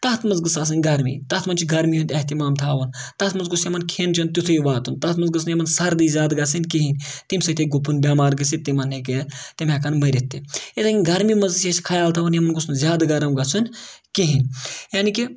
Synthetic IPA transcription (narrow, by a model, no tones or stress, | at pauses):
t̪ɐt̪ʰmɐnzɡɨsaːs̬ɨnʲɡɐɾmḭːt̪ɐt̪ʰmɐnt͡ʃʰiɡɐɾmiːɦunʲt̪ʲɐht̪imaːmt̪ʰaːʋɐnt̪ɐt̪ʰmɐnzɡusjemɐnkʰeːnt͡ʃʰint̪ut̪ʰuiʋaːt̪unt̪ɐt̪ʰmɐnzɡɨs̬njemɐnsɐɾd̪iːzʲjaːd̪ɡɐsɨnʲkiɦinʲt̪imsɐt̪ʰeɡupʰunbʲaːmaːɾɡɐsit̪ːimɐnɦeket̪imeːkɐnmɐɾit̪ːiet̪aɡʲinɡɐɾmimɐnzt͡ʃʰjeskʰɐjaːlt̪ʰaːʋɐnjemɐnɡusnuzʲaːd̪ɡɐɾɐmɡɐsʰunʲkiɦinʲjaːniki